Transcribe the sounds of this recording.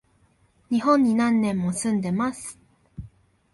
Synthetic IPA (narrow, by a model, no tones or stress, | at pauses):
ɲ̟iɦõ̞ɲ̟ːinãnːẽ̞mːo̞sɨ̃nd̪e̞masɨ̥